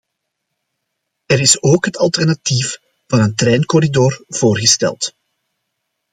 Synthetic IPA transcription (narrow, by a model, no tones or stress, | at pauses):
ɛɾɪsoːkɦətɑlˠtɛrnɑtif | vɑnəntɾɛːnkɔɾidoːrv̥oːrɣəstɛ̰lˠt